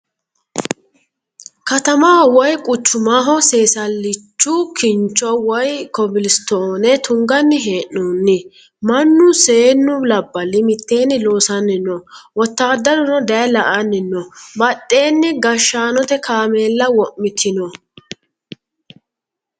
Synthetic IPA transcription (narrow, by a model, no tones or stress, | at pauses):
kɐt̪ɐmaːwɔjkʼʊt͡ʃːʊmaːɦɔseːsɐlːɪt͡ʃːʊkʰɪnt͡ʃʼːɔwɔjkɔbɪlɪst̪oːnɛt̪ʊŋɡɐnːɪɦeːʔːoːnːɪ | mɐnːʊse̞ːnːʊlɐbːɐlɪmɪt̪ːe̞ːnːɪlo̞ːsɐnːɪnːɔwɔt̪ːaːd̪ːɐd̪ʊnɔd̪ɐjlɐʔɐnːɪnːɔbɐtʼːe̞ːnːɪɡɐʃːaːnɔt̪ɛkʰaːme̞ːlːɐwɔʔːɪt̪ʰɪnɔ